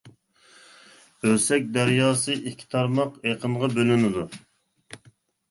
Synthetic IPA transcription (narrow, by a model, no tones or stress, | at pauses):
ølsɛk̚ʲd̪æɾjɑːsɨʔikʲʰːi̥t̪ʰɑɾmɑqeqʰənʁɑbølynɪd̪u